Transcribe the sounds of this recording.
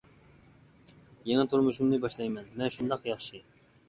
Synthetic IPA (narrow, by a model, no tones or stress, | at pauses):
jeŋɛt̪ʰuɾmuʃumnɨbɑʃlˠɑjmɛnmɛnʃund̪ɑqjɑχʃɨ